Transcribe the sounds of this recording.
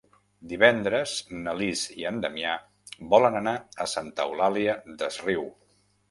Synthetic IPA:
d̪iβɛnd̪ɾəznəliziənd̪əmia | bɔlənənaəsant̪əwlaliəd̪əzriw

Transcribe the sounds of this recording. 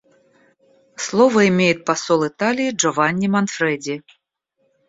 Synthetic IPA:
slˠɔvɐimʲejut̪̚pasɔlˠɨt̪alʲijiʐɔvanʲːimanfɾɛd͡zʲi

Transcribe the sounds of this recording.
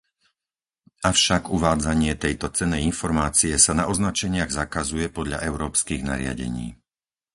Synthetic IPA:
afʃaɡuʋaːd͡zaɲɪɛt̪ɛjt̪ɔt͡sɛnːɛjinfɔɾmaːt͡sijɛsanaʔɔznat͡ʃɛɲɪaɣzakazujɛpɔd̪ʎa̰ʔɛʊɾɔːpskiːɣna̰ɾɪa̰ɟɛ̰ɲḭː

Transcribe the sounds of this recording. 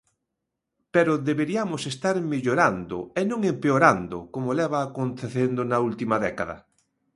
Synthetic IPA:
peɾʊðeβeɾiamʊsest̪aɾmeʎoɾand̪ʊ̰enõŋempeoɾand̪ʊ̰komolɛβaːkont̪eθend̪onɐult̪imɐðɛkaðɐ̰

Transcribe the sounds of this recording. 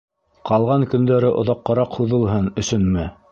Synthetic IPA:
qɑlˠʁɑŋkɵ̆nd̪æɾɘʔŏðɑqːɤ̆ɾɑqhuðɤ̆lˠɦɤnɵ̆sɵnmɘ

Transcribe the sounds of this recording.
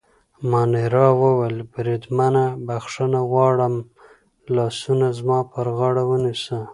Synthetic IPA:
mɑneɾɑwəwalbɾed̪manabaxʂənaɣwɑɽəm | lɑsunazmɑpəɾɣaɽawənisə

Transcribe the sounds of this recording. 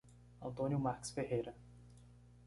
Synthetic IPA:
ɐ̃nt̪õnjʊmaɾki̥sfehejɾɐ

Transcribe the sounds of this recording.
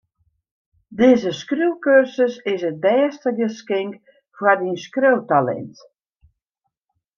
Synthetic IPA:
dɪːzəskruwkørsəsɪsət̚bɛːstəɡəskɪŋk | fwadinskrowtalɛ̰nt

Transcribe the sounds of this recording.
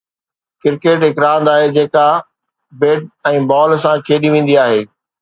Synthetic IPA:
kɪɾkeːʈɦɪkɾaːnd̪aːɦed͡ʑeːka | beːɖ̚ɛ̃ːbɔːlsãkʰeːɗiʋĩːn̆d̪iaːɦeː

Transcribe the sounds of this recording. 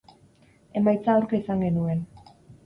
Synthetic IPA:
e̞majt͡saːwɾkaisaŋɡe̞nue̞n

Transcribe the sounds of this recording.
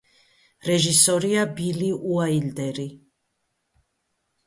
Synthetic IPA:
ɾɛʒisɔɾiabiliʔuaild̪ɛɾi

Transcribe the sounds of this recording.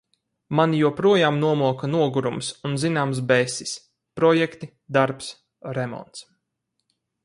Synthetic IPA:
manjuɔpɾuɔjaːmnuɔmuɔkɐnuɔɡuɾumsunzinaːms̬bɛsis | pɾɔjɛkt̪i | d̪aɾps | ɾɛmɔ̰nt̪s

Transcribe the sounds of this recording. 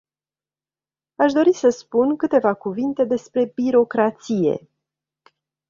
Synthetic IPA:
aʃd̪o̞ɾisəspunkɨt̪e̞vakuvint̪e̞d̪e̞spɾe̞biɾo̞kɾat̪sije̞̰

